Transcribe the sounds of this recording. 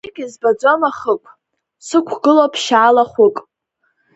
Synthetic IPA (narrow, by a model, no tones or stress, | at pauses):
ɪɡʲɪzbad͡zʷomaχəkʷʼ | sɨkʷʰɡɨlopʰʃaːlaχʷʊkʼ